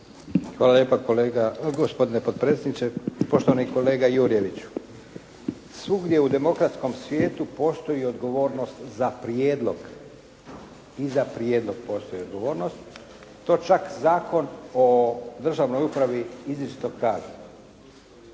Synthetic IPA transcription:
xʋaːlaljeːpakoleɡaɡospo̞d̪inepod̪̚pɾet̪sjed̪nit͡ʃepo̞ʃt̪oʋaniko̞le̞ːɡajuːɾije̞ʋit͡ɕu̥ | sʋuɡd̪je̞ud̪e̞mo̞kɾat̪sko̞msʋjeːt̪upo̞st̪o̞jiod̪ɡo̞ʋo̞ːɾno̞st̪zapɾijeːd̪lˠo̞ɡ | izapɾje̞ːd̪lo̞ɡ̥po̞ːst̪o̞jiod̪ɡo̞ʋo̞ːɾno̞st̪ː | o̞ːt͡ʃakzaːko̞nod̪r̩ʒaːʋno̞jupɾaʋiizit͡ʃi̥t̪oɡkaːza

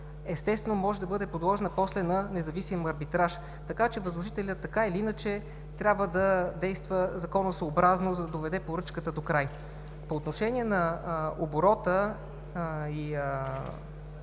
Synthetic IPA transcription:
ɛst̪ɛst̪vɛnomɔʒɛd̪ɐbɤd̪ɛpod̪lˠɔʒɛnəpɔslɛnɐnɛzɐvisimɐɾbit̪ɾaʃ | t̪ɐkat͡ʃɛvəzlˠoʒit̪ɛlʲət̪ːɐkailiinət͡ʃɛ | t̪ɾʲabvəd̪ɐd̪ɛjst̪vəzɐkɔnəsoːbɾaznozɐd̪ɐd̪ovɛd̪ɛpoɾɤt͡ʃkət̪əd̪okɾaj | poːt̪noʃɛnʲiɛnɐoboɾɔt̪ə | i

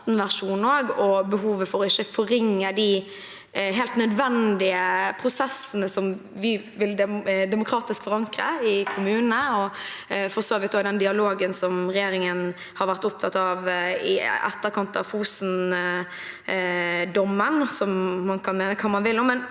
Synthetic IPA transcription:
t̪n̩ʋæʁʂuːnnoːɡɔbəɦuːʋəfɔɾɔɪçːəfɔɾɪŋːəd̪ɪ | ɦeːlt̪nœd̪ʋɛnd̪ɪəpʰɾʊsɛsənəsɔmʋɪ | ʋɪld̪ɛd̪ɛmʊkʰɾɑːt̪ɪskfɔɾɑŋkɾəɪkʰʊmʉːnəɔfɔsoːʋɪt̪̚d̪oːɪd̪ɛnd̪ɪɑloːɡənsɔmɾɛjeːɾɪŋən | hɑɾʋæɾʁt̪ʊp̚t̪ʰɑt̪ːɑʋɪɛ̰t̪ːəɾkʰɑnt̪ɑ̰fuːsn | d̪ɔmːənsɔmːɑnkʰɑnmeːnəkʰɑːmɑnʋɪlːɔmɛn

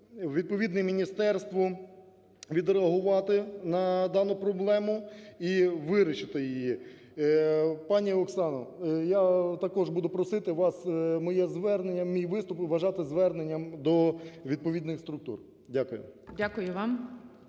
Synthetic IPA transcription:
ʋʲid̪̚pɔʋʲid̪nɛmʲinʲist̪ɛrst̪ʋɔ | ʋʲid̪ɾeɐɦʊʋɑt̪ɪnɐd̪ɑnʊpɾɔblˠɛmʊiʋɪɾʲɪt͡ʃɪt̪ɪjɪjji | pɑnʲiɔksɑnɔjat̪ɐkɔʒbud̪ʊpɾɔsɪt̪ɪʋɑsmɔjɛzʋɛrnenʲːɐmʲijʋɪst̪ʊpʋɐʒɑt̪ɪzʋɛrnenʲːɐmd̪ɔʋʲid̪̚pɔid̪nɪxst̪ɾʊk̚t̪ṵr | dʲakʊjʊ̰dʲakʊjʊʋɑm

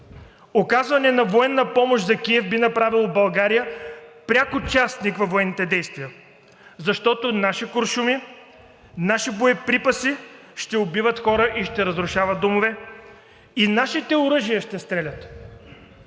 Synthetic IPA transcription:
okazvɐnɛnɐvoɛnːɐpɔmoʃzɐkʲiɛfbinɐpɾavilˠobɐlˠɡaɾijəpɾʲjakʊt͡ʃast̪nikvɐvoɛnːit̪ɛd̪ɛjst̪vijə | zɐʃt̪ɔt̪onaʃikoɾʃumi | naʃiboipɾipɐsi | ʃt̪ɛobivət̪xɔɾəʔiʃt̪ɛɾɐzɾʊʃavɐt̪ːomovɛ | inaʃit̪ɛʊɾɤʒijəʃt̪ɛst̪ɾɛlʲət̪

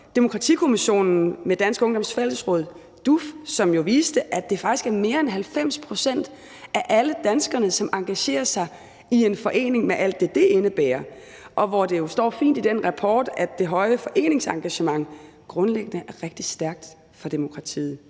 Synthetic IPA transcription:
d̥e̝mo̝kʰʁɑ̈t͡sʰḭːkʰo̝miɕo̝̰ːnn̩med̥ænsɡ̥ɔ̽ŋd̥ɒ̽msfel̰əsʁɔ̽ð̞̰ˠ | d̥ufsɒ̽mjo̝ʋiːsd̥əʔæd̥e̝fɑ̈ɡ̥isɡ̥æɐme̝ːɐenɦælfem̰spʰʁo̝sen̰d̥ | ʔæʔæləd̥ænsɡ̥ɐnəsɒ̽mʔɑ̈ŋɡ̥æɕe̝̰ːɐsɑ̈ɪ | ie̝nfɒ̽ʔe̝̰ːne̝ŋmeʔæl̰d̥ːe̝d̥e̝ʔenəb̥ɛ̰ːɐ | ʔɒ̽ʋɒd̥e̝jo̝sd̥ɒ̰ːfḭːnd̥id̥enʁɑ̈pʰɒ̰ːd̥æd̥e̝ɦɒ̽ɪəfɒ̽ʔe̝̰ːne̝ŋsɑ̈ŋɡ̥æɕəmɑ̈ŋ | ɡ̥ʁɔ̽nleɡ̥ənəʔæɐʁeɡ̥̚d̥isd̥æɐɡ̥̚d̥ | fɒ̽d̥e̝mo̝kʰʁɑ̈t͡sʰḭːð̩ˠ

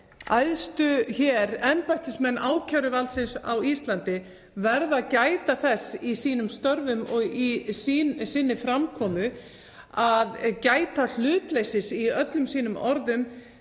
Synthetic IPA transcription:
a̰jðst̪ʏçɛːɾɛnpajht̪ɪsmɛnːʔaːwcʰawɾʏvalt̪sɪnsawist̪lant̪ɪ | vɛɾðacaːjt̪aθɛsːisiːnʏmst̪œɾvʏmɔɣisiːnsɪnːɪfɾamkʰɔːmʏ | aðcaːjt̪al̥ʏːt̪lejsɪsiœt̪lʏmsiːnʏmɔɾðʏm

